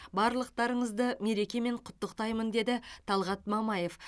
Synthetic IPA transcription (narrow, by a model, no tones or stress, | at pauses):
bɑɾlˠəq̚t̪ɑɾəɴəzd̪əme̞ɾe̞kʲe̞me̞ɴqʰʊ̥t̪ːəqt̪ɑjmənd̪e̞d̪ɪt̪ʰɑlˠʁɑt̪mɑmɑje̞f